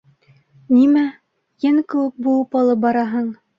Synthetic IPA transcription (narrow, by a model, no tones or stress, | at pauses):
nimæ | jɘŋkɘ̆wɘk̚bulˠɤpɑlˠɤp̚bɑɾɑɦɤɴ